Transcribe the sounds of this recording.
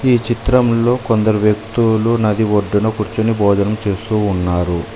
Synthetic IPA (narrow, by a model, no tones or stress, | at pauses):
iːt͡ʃit̪ɾɐmlo̞ːkond̪ɐɾuʋjɐk̚t̪ulunɐd̪iʋoɖːunɐkuɾt͡ʃunibɔːd͡ʒ̪ɐnɐmt͡ʃe̞ːst̪uːnːaːɾu